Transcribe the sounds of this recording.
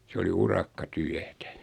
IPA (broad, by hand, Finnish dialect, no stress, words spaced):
se oli urɑkːɑtyætæ